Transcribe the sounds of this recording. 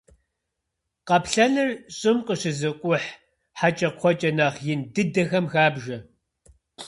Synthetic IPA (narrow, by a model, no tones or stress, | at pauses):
qɐpɬɐnɨrɕʼɪmqəɕɪzɨqʷʼʊħ | ħat͡ʃʼɐqʷɔt͡ʃʼɐnaːχjɪndɨdɐxɐmxaːbʒɐ